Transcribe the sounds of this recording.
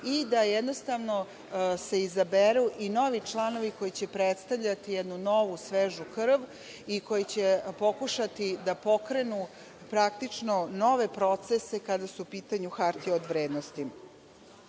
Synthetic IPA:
id̪ajed̪nost̪aʋno | se̞izabeɾuʔino̞ʋit͡ʂlˠano̞ʋikojit͡ɕe̞pɾet̪st̪aʋʎat̪ijed̪nuno̞ʋusʋeːʒukr̩ʋ | iko̞jit͡ɕepo̞kuʃat̪id̪apo̞kɾe̞nu | pɾak̚t̪it͡ʂnono̞ʋe̞pɾo̞t̪sese̞kad̪asuupiːt̪aɲuxaɾt̪ieod̪ʋɾeːd̪nost̪i

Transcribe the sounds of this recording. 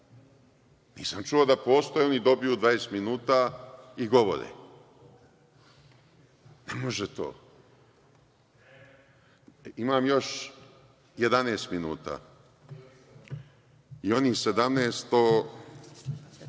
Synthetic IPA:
nḭːsamt͡ʃuod̪apo̞ːst̪ojeo̞nid̪o̞bijuːd̪ʋajest̪minuːt̪aiɡo̞ʋo̰ɾḛ | nemo̞ʒet̪o̰ː | imaːmjo̞ʃ | jed̪aneːst̪minuːt̪a̰ː | io̞nise̞d̪amneːst̪o

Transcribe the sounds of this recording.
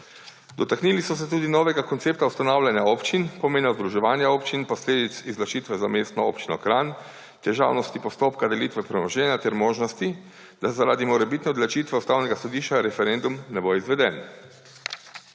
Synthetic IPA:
d̪ɔt̪aknilisɔs̬ɛt̪uːd̪inɔːʋɛɡakɔnt̪eːpt̪awst̪anawlʲjanjaɔpt͡ʃinpɔmeːnjazd̪ɾuʒɛʋaːnjaoːpt͡ʃinpɔsleːd̪it̪sizlat͡ʃiːt̪ʋɛzamest̪nɔo̰ːpt͡ʃinɔkɾan | t̪ɛʒa̰wnɔst̪ipɔst̪oːpkad̪ɛlit̪ʋɛpɾɛnɔʒɛnjat̪ɛɾmoːʒnɔst̪i | d̪̥azaɾaːd̪imɔɾɛbiːt̪nɛɔd̪lat͡ʃiːt̪ʋɛust̪aːwnɛɡasɔd̪iʃt͡ʃaɾɛfɛɾend̪umnɛboizʋɛd̪ɛn

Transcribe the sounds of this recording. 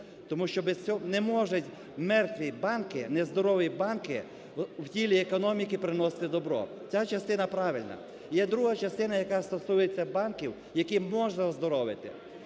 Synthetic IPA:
t̪ɔmuʃt͡ʃɔbɛst͡sʲɔnɛmɔʒʊtʲ | mɛrt̪ʋʲibɑnkɪnɛzd̪ɔɾɔʋʲibɑnkɪ | wtʲilʲiekɔnɔmʲikɪpɾɪnɔsɪ̥t̪ɪd̪ɔbɾɔ̰ | t͡sʲat͡ʃɐst̪ɪnɐpɾɑʋɪlʲnɐ̰ | jɛd̪ɾuɦɐt͡ʃɐst̪ɪnɐjɐkɑst̪ɔsujet͡sʲːɐbɑnkʲiw | jɐkimɔʒnɐzd̪ɔɾɔʋɪt̪ɪ̰

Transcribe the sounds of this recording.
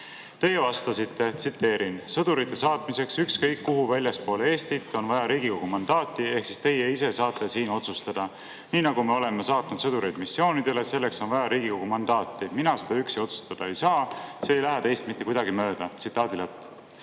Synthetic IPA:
t̪e̞ːevɑst̪ɑsit̪ːe̞t̪sit̪ːe̞ːɾinsɤd̪uɾit̪ːˑe̞sɑːt̪mise̞ksykskɤjkːuɦuvælʲjɑspo̞ːlee̞ːst̪it̪ːˑo̞nvɑjɑɾiːɡiko̞ɡ̥umɑnd̪̥ɑːt̪ːˑie̞hksist̪e̞jeise̞sɑːt̪ˑːe̞siːno̞t̪sust̪ɑd̪̥ɑ | niːnɑɡ̥ume̞o̞le̞me̞sɑːt̪nud̪̥sɤd̪uɾejd̪̥misːio̞ːnid̪̥e̞le̞se̞lːe̞kso̞nvɑjɑɾiːɡiko̞ɡ̥umɑnd̪ɑːt̪ːˑiminɑse̞d̪ɑyksejo̞t̪su̥st̪ɑd̪̥ɑe̞jsɑːse̞ːjlæɦeɛt̪e̞jst̪mit̪ːekujd̪ɑɡimø̞ːd̪̥ɑt̪sit̪ːˑɑːd̪̥ilepː

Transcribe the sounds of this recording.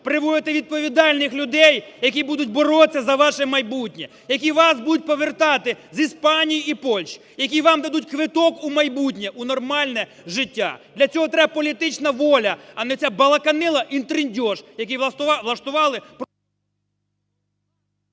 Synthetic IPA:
pɾɪʋɔjɪt̪ɪʋʲid̪̚pɔʋʲid̪ɑlʲnɪxlʲʊd̪ɛjjɐk̬ʲibud̪ʊtʲbɔɾɔt͡sʲːɐzɐʋɑʃɛmɐjbutʲnʲɛ | jɐk̬ʲiʋɑsbud̪ʊt̚ʲpɔʋert̪ɑt̪ɪzispɑnʲijiipɔlʲʃi̥ | jɐkʲiʋɑmd̪ɐd̪ut̚ʲkʋɪt̪ɔkumɐjbutʲnʲɛʔunɔrmɑlʲnɛ | ʒɪtʲːa̰d̪lʲɐt͡sʲɔɦɔt̪ɾɛb̚pɔlʲit̪ɪt͡ʃnɐʋɔlʲɐɐnɛɔt͡sʲabɐlˠɐkɐnɪlˠɐʔint̪ɾɪnʲdʲɔʃjɐkʲiʋlˠɐʃt̪ʊʋɑlˠɪp

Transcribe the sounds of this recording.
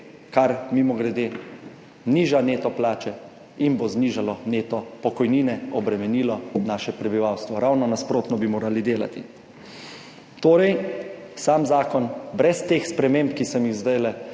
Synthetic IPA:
kaɾmimɔɡɾɛd̪eː | niːʒaneːt̪ɔplaːt͡ʃɛ | inbozniːʒalɔneːt̪ɔpɔkɔjniːnɛɔbɾɛmɛniːlɔnaːʃɛpɾɛbiʋawst̪ʋɔɾawnɔnaspɾoːt̪nɔbimoːɾalid̪eːla̰t̪ḭ | t̪oːɾɛjsaːmzaːkɔnbɾɛst̪eːxspɾɛmeːmpkisɔmizd̪ɛjlɛ

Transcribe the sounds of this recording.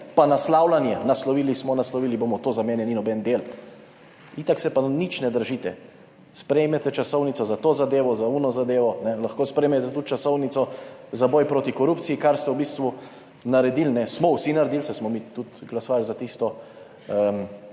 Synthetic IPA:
panaslawlanjɛnaslɔʋiːlismɔnaslɔʋiːliboːmɔt̪oːzamɛːnɛninɔbɛnd̪eːl | it̪aksɛpanit͡ʃnɛd̪əɾʒit̪ɛ | spɾɛjmɛt̪ɛt͡ʃasɔwnit̪sɔzat̪oːzad̪eːʋɔzaunɔzad̪eːʋɔnɛlaxkoːspɾɛjmɛt̪ɛt̪ut̪t͡ʃasɔwnit̪sɔzabɔːjpɾoːt̪ikɔɾuptsijikaɾst̪ɛwbist̪ʋu | naɾɛd̪ilnɛsmɔwsinaɾɛd̪ilsɛsmɔmit̪ut̪ɡlasɔʋalzat̪ist̪ɔ | əm

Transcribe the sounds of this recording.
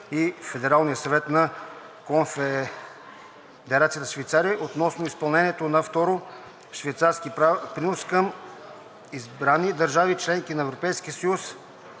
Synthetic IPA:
ifɛd̪ɛɾalˠnijəsɐvɛt̪nɐ | konfɛ | d̪ɛɾat̪sijət̪əʃvɛjt̪saɾiəʔot̪nɔsnoispɐlˠnɛniɛt̪onɐft̪ɔɾo | ʃvɛjt̪saɾskipɾinoskəm | izbɾanid̪əɾʒavit͡ʃlɛŋkinɐɛvɾopɛjskiəsɐjus

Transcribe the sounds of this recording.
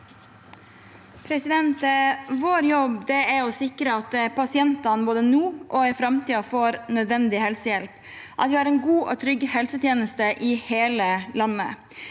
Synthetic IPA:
pʰɾɛsɪd̪ɛnt̪ʋoːɾjɔbd̪ɛɛɾɔsɪkɾəɑt̪pʰɑsɪɛnt̪ɑnboːd̪ənuːʔɔɛfɾɑmt̪ʰiːɑfoːɾnœd̪ʋɛnd̪ɪhɛlsəjɛlp | ʔɑ̰t̪ʋɪæɾɛnɡuːʔɔt̪ʰɾʏɡːhɛlsət̪ʰjeːnəst̪əʔɪheːləlɑnːə̰

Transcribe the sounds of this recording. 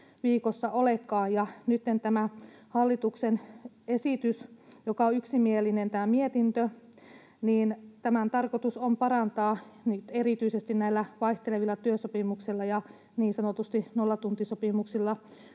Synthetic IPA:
ʋiːkosːɑʔolekːɑːjjɑnyt̪ːent̪æmæhɑlːit̪uksen | esit̪ysjokɑoyksimielinent̪æːmiet̪int̪ø | niːnt̪æmænt̪ɑrkot̪usompɑrɑnt̪ɑːnit̪erit̪yisest̪innæilːæʋɑiht̪eleʋilːɑt̪yøsopimuksilːɑjɑ | niːnsɑnot̪ust̪inolːɑt̪unt̪isopimuksilːɑ

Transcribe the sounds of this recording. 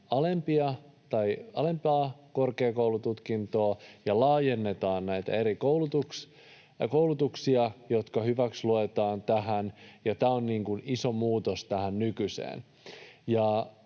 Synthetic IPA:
ɑlempiɑ | t̪ɑiɑle̞mpɑːkorkeːkoulut̪ut̪kint̪oːjɑlɑːjenːet̪ɑːnnæit̪æ̰eɾikoulut̪uks | koulut̪uksiɑjot̪kɑhyʋæksluet̪ɑːnt̪æɦænjɑt̪æːonniːŋkuniso̞muːt̪ost̪æhænnykysḛːn | jɑ

